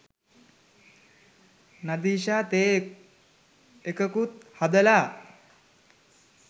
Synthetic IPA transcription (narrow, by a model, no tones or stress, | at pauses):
nad̪iːʃaːt̪eː | ekəkut̪had̪əlaː